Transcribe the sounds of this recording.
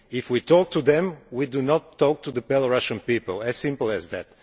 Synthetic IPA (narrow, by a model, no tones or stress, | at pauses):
ɪfwitʰɔk̚tʰuðɛ̃mwidunɔtʰːɔk̚t̪uðəpɛlˠɹaʃə̃npipəlˠɛzsɪ̃mpl̩ˠɛzðæ̰t̚